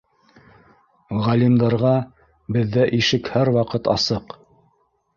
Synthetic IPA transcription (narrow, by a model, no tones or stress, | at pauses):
ʁɑlʲimd̪ɑɾʁɑ | bɘ̆ðːæʔiʃɘkhæɾwɑqɤt̪ɑsɤq